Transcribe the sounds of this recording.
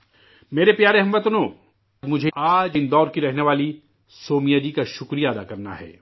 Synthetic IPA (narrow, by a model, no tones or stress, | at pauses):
meːɾepjaːɾeɦɐ̃mʋɐt̪ʊnoː | mʊd͡ʒʱeaːd͡ʒɪnd̪ɔːɾkiɾɛɦneʋaːli | soːmijad͡ʒikaʃʊkɾijaɐd̪akɐɾna̰ɦɛ̰ː